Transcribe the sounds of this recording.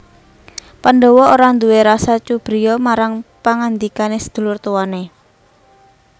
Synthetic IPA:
panɖɔwɔoɾand̪uweɾasat͡ʃub̥ɾijɔmaɾaŋpaŋand̪ikanesə̥d̪̥ṳlʊrt̪uwane

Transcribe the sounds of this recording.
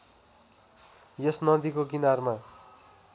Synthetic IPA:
jesnʌd̪ikoɡinarma

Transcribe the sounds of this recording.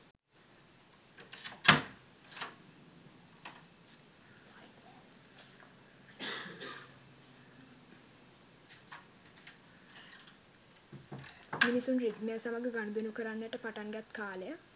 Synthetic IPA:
minisunrid̪mɛːsaməɡəɡanəd̪unukəɾanjæʈəpaʈaŋɡæt̪kaːləjə

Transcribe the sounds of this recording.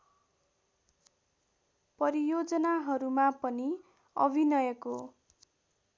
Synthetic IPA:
pʌɾijod͡zʌnaɦʌɾumapʌni | ʌbʱinʌjʌko

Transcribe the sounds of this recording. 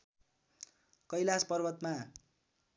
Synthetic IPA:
kʌjlaspʌrbʌt̪ma

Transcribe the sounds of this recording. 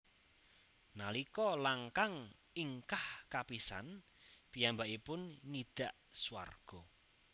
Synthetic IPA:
nalikɔlaŋkaŋ | iŋkahkapisa̰n | pijambaʔipʊnŋid̪̥a̤ʔ | suwa̰rɡ̥ɔ

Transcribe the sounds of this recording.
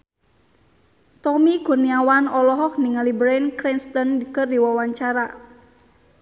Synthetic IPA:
t̪ɔmikurniawanɔlɔɦɔk̚niŋalibɾɛnkɾinst̪ɔndikɨrdiwawaɲt͡ʃaɾa

